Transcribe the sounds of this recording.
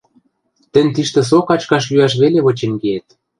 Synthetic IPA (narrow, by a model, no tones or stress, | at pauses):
t̪ɘ̆nʲt̪iʃt̪ĕs̬okɑt͡ɕkɑʃ̬yɑʃ̬βeleβɤ̆t͡ɕĕnɡeːt̪̚